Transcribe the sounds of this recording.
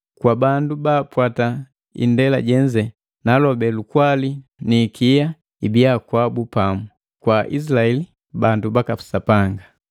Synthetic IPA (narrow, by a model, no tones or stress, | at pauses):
kwabandubaːpwata | ḭndɛla̰ɟɛɲd͡ʒɛ | nalɔbɛlukwalinikija | ibiakwabupamu | kwaʔḭs̬ilaɛli | bandubakapu̥sapaŋɡa